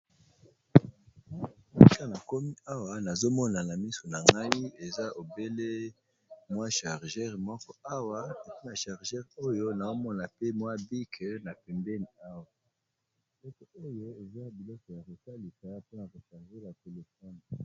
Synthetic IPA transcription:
m˦˨i˦˨ka˦na˨ko˦mi˦a˦wa˨na˨zo˦mɔ˦na˨na˨mi˦so˨na˨ŋɡa˦i˦e˨za˦ʔo˨be˦le˦ | mwa˦ʃa˨ʁʒɛ˦ʁmɔ˦kɔ˦a˦wa˦e˨ki˦na˨ʃa˨ʁʒɛ˦ʁo˦jo˦na˨o˦mɔ˦na˨pe˦mwa˦bi˦kʰna˨pɛ˨mbɛ˦ni˨a˦wa˨ | bbi˨lɔ˦kɔ˨o˦jo˦e˨za˦bi˨lɔ˦kɔ˨ja˨ʁo˨sa˦li˨sa˨a˦po˦na˨ko˨ʃa˨ʁve˦ja˨ko˨le˨fa˦n˨

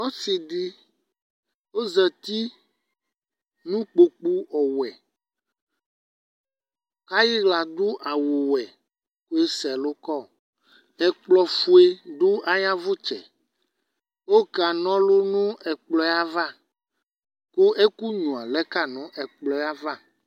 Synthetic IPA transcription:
o˦si˨d̪i˦ | wo˦zɛ˨t̪i˦ | nũ˦k͡po˨k͡pu˦ɔ˨wɛ˨ | ka˦ji˦ɣla˨d̪u˦ʔa˨wo˨wɛ˨ | ku˦e˦sɛ˨lo˦kɔ˦˨ | ɛ˨k͡plɔ˨fu˦e˦d̪u˦a˦jã˦vu˦t͡ʃɛ̰˨ | wo˦ka˨nɔ̃˦lo˦nũ˦ɛ˨k͡plɔ˦a˦va˦ | ko˦ʔe˦ku˦ɲũ˨a˨lɛ˦ka˦nũ˦ʔɛ˨k͡plɔ˨˦a˦va˦

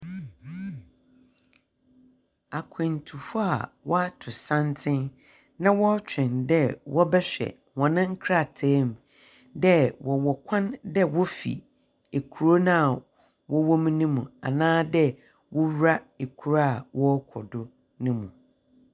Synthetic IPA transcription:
a˨kʰɪ̃˨ntʰu˨fʊ˦a̰˨wɔ˦a˦tʰʊ˨sã˦ntʰɪ̃˦n | nã˦wɔ˦t͡ɕᶣɪ̃˨ndɛ˦wɔ˦bɛ˦ɕᶣɛ̰˨ | hɔ̃˨nɪ̃˦ŋ̩˦kʰɾa˨tʰɛː˦m | dɛ˦wɔ˨wɔ˨kʷʰã˦ndɛ˦wɔ˦fḭ˨ | e˨kʰu˨ɾo˦nã˦a˨ | wɔ˦wɔ˦mĩ˦nũ˦mũ˨a̰˨nãː˦dɛ˦ | wɔ˦wɾa˦e˨kʰu˨ɾa˦a˨wɔ˦kʰɔ̰˨dʊ˦ | nʊ̃˦mũ˨

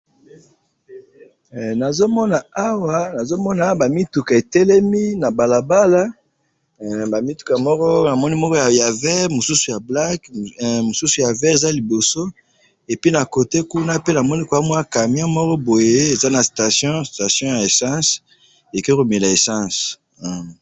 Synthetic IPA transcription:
na˨zo˦mɔ˦na˨a˦wa˦na˨zo˦mɔ˦na˨ba˨mi˦tu˨ka˨e˨tɛ˦lɛ˦mi˦na˨ba˨la˨ba˦la˦ | ba˨mi˦tu˨ka˨mɔ˦kɔ˦na˨mɔ˦ni˦mɔ˦kɔ˦ja˨ja˨vɛ˦ʁmo˨su˦su˨ja˨bla˦kmo˨su˦su˨ja˨vɛ˦e˨za˦li˨bo˨so˦ | e˨pi˦na˨ko˨te˦ku˦na˦pe˦na˨mɔ˦ni˦kwa˦mwa˦ka˨mjɔ̃˦mɔ˦kɔ˦bo˨je˦e˨za˦na˨sta˨sjɔ̃˦sta˨sjɔ̃˦ja˨e˨sã˦s | e˨ke˦ko˨me˨la˨e˨sã˦s

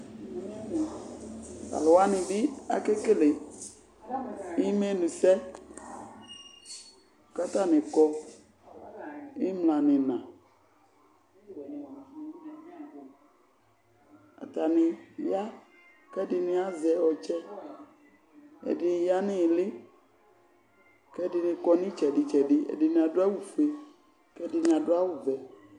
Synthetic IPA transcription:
a̰˨lɔ˨wa˦nɪ̃˨bi˦a̰˨ke˦ke˦le˨ | i˦me˦nũ˨sɛ˦˨ | ka˦t̪a˦nɪ̃˨kɔ˦ | i˦mlã˨nɪ̃˨nã˨ | a̰˨ta˨nɪ̃˨ja˦ | kɛ˦dɪ˨nɪ̃˨a˦zɛ˨ɔ˨t͡ʃɛ˦ | ɛ̰˨dɪ˨ja˦nɪ̃˦˨lɪ˦ | kɛ˦dɪ˨nɪ̃˨kɔ˦nɪ̃˦t͡ʃɛ˨dɪ˨t͡ʃɛ˨dɪ˦ɛ̰˨dɪ˨nĩ˨a˨dʊ˦a˦wu˨fe˦ | kɛ˦dɪ˨nɪ̃˨a˨dʊ˦a˦wu˨vɛ˨

